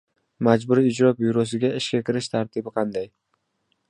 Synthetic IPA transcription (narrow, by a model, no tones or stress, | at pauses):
mad͡ʒbʊɾiɪd͡ʒɾɒbijɾos̬ɪɡʲaɪʃkʲakʲʰɪɾɪʃt̪ʰaɾt̪ʰɪbɪqʰɑnd̪aj